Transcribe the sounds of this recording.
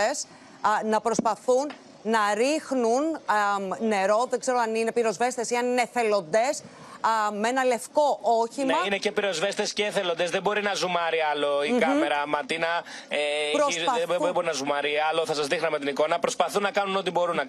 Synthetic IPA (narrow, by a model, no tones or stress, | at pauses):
es | nɐpɾo̞spɐθunː | ɐɾixnun | ne̞ɾo̞ðeɡze̞ɾoɐnine̞piɾo̞zve̞st̪esiɐnineθe̞lo̞nd̪e̞s | meenɐle̞fko̞ʔoçimɐinece̞piɾo̞zve̞st̪esceːθelond̪ezðebo̞ɾinɐzumɐɾiɐlo̞ikɐme̞ɾɐmɐt̪inɐ | eɾosɐbebo̞ɾinɐzumɐɾiɐloθɐsɐzðixnɐmet̪iniko̞nɐpɾo̞spɐθunːɐkɐnuno̞t̪ibo̞ɾunːɐ